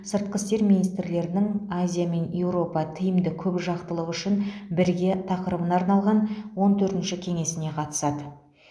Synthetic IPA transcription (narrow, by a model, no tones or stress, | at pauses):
səɾt̪̚qəst̪e̞ɾmʲinijst̪ɾle̞ɾɪnɪŋazʲijame̞nje̞wɾo̞pɑt̪ʰɪjɪmd̪ɪkʲʰɵpʒɑqt̪əlˠəʁʏʃɪnbɪɾɡʲe̞t̪ʰɑqəɾəbənɑɾnɑlˠʁɑnwo̞nt̪ʰɵɾt̪ɪnʃɪkʲʰe̞ŋe̞sɪne̞qʰɑt̪ə̥sɑd̪ə